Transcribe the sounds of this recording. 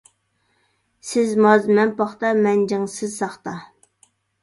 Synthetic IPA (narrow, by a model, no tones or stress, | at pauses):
sɪzmɑzmɛnpɑχt̪ɑmɛnd͡ʒɪŋsɪzsɑχt̪ɑ